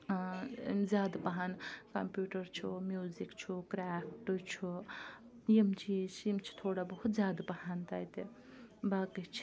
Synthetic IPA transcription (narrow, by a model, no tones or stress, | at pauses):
mzjaːd̪paɦankɐ̰mpjuːʈɐɾt͡ʃʰumjuːzikt͡ʃʰukɾaːpʰʈɨt͡ʃʰu | jimt͡ʃʰit͡ʃʰimt͡ʃʰi̥t̪ʰoːɽabɐɦut̪zʲjaːd̪pɐɦant̪aːjt̪e | baːkit͡ʃʰi̥